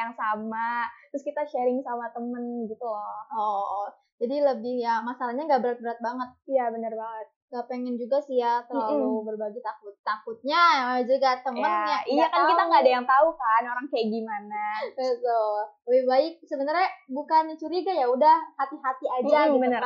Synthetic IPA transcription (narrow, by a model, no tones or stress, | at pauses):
jaŋsamat̪ɾʊskit̪aʃɛɾɪŋsamat̪əmənɡit̪ulɔ | d͡ʒadiləbɪhjamasalahɲaŋɡaʔbəɾat̪̚bəɾat̪̚baŋət̪̚jabənərbaŋət̪̚ŋɡapeŋɛnd͡ʒuɡasijat̪əlalubərbaɡet̪akʊt̪ːakʊt̪̚ɲad͡ʒuɡat̪əmjəanjaijakankkit̪aŋɡaːdajaŋt̪aukanoɾaŋkajaɡimanabət̪ʊlbɪhbaɪk̚səbənarɲabukanat͡ʃuɾiɡajaudahhat̪iɦat̪iad͡ʒd͡ʒaɡibənər